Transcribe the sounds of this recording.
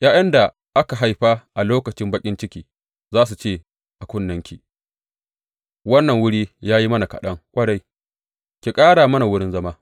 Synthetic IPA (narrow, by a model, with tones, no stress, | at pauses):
jʔaː˦jɐ˦nda˨ | ʔa˦ka˨ɦa˦jɸa˦ʔa˨loː˦kɐ˨t͡ʃɪ˦mbɐ˦kʲʼɪ˦nt͡ʃɪ˦kʲiː˨ | zaː˦s̬u˨t͡ʃeː˦˨ | ʔa˨kʷʊ˦˨nːɐ˦ŋkʲi˨ | wɐ˦nːɐ˨ŋwʊ˦ɽiː˦jaː˦ji˦mɐ˦na˨kɐ̰˨ɗɐ˦ŋkʷʼɐ˦ɽa˦j | kʲi˨kʼaː˦ɽaː˨mɐ˦na˨wʊ˦ɽɪ˦nzɐ˦maː˦